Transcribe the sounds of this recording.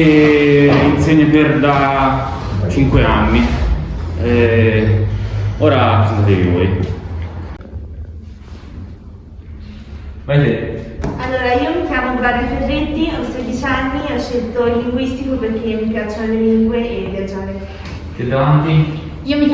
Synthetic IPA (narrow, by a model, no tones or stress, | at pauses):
e | inseɲːad̪eɾd̪a | t͡ʃiŋkweanːi | ɛ | oːɾasisat̪evḭvɔ̰ːj | vajt̪ealːoːɾaiːomikjaːmod̪ɾad̪ifedɾet̪ːiased̪it͡ʃanːiat͡ʃːelt̪olːiŋɡwist̪ikoperk̟ːemːipjat͡ʃːonleliŋɡweʔevjad͡ʒaːne | t̪ed̪avant̪i | iːomi